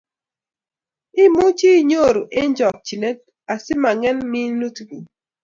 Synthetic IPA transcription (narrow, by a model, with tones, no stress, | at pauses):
ɪ˦mu˦t͡ʃi˦ɲo˦˨ɾo˨ʔe˦ɲd͡ʒɔ˨k̚t͡ʃi˨ne˦t̚ | a˨sɪ˦ma˨ŋɛ˦nmi˦nu˦tɡu˨